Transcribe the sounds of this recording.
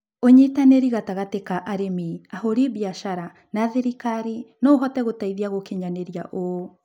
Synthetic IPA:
oɲitaneɾiɣataɣatekaʔaɾemiahoɾiβjaʃaɾa | naðeɾikaɾinoɦɔtɛɣotaiðiaɣokeɲaneɾjaʔo

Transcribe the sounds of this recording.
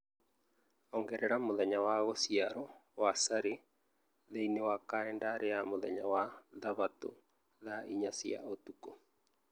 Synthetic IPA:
ɔŋɡɛɾɛɾamoðɛɲawaɣɔsiaɾɔwasaɾe | ðeinewakaɛndaɾʔeamoðɛ̰ɲawaðaβat̪o̰ | ðaʔiɲasia̰ot̪uko

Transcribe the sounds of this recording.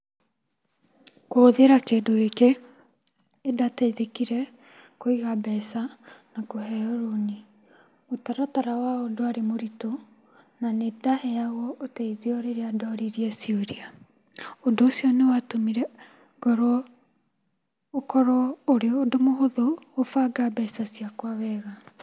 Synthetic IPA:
koðeɾakeːdoeke | datɛiðekiɾɛ | koiɣabɛsanakoɦɛɔɾoni | otaɾataɾawaodoaɾemoɾito | nanedahɛaɣɔʔotɛiðeɔɾeɾeadɔɾiɾiɛsioɾia | ondoːsiɔnewatomiɾɛ | ɡ̥ɔɾɔ | okɔɾɔoɾeodomoɦoðoːfaɡabɛsasiakwaβɛɣa

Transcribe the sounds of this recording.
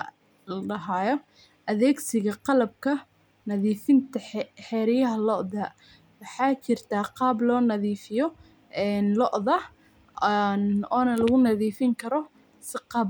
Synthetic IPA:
lɖɐɦaːjɔ | ʔɐðɛːɡsɪɣɐqɑlɐb̚kʰɐ | nɐðiːfɪnt̪ʰɐħɛːɾɪjɐɦɐlɔʔðɐ | wɑħɑːt͡ʃɪrt̪ʰaːqɑːblɔːnɐðiːfɪjɔ | ɛːnlɔʔðɐ | nɔːnɐlɐɣʊnɐðiːfɪŋkʰɐɾɔ | sɪqɑːb

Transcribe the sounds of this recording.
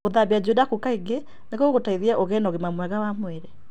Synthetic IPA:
oðabiad͡ʒodakukaiɡe | neɣooɣotaiðiaʔoɣɛnɔɣemamwɛɣawamwɛɾɛ

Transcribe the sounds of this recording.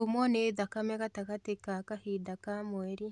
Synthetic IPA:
umwɔneðakamɛkatakatekakahidakamweɾi

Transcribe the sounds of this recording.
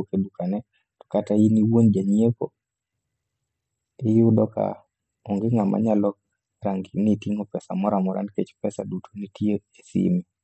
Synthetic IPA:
kedukanɛ | tɔ̥katainiwond͡ʒaɲieko̰ | ɪjʊdɔka̰ | oŋɡɪŋamʔa̰ɲalɔ | ɾaŋɡnitiŋopɛsa̰mɔɾamɔɾa̰nket͡ʃpɛsadutʰonitjeesḭmi

